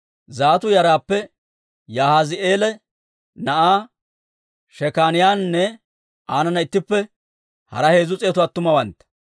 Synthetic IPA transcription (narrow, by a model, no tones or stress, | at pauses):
zaːt̪ʊjɐɾaːpːɛ | jaːhazɪʔeːlɛ | nɐʔaː | ʃɛkaːnɪjaːnnːɛ | aːnɐnɐɪt̪ːɪpːɛ | hɐ̰ɾɐhe̞ːzʊt͡sʼeːt̪ʊaːt̪ːʊmɐwɐnt̪ɐ̥